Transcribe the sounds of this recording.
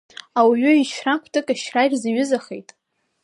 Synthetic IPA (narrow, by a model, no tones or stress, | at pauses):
awʕʏiʃrakʷʰtʰɨkʼaʃrajrzaɥʊzaχḛjtʼ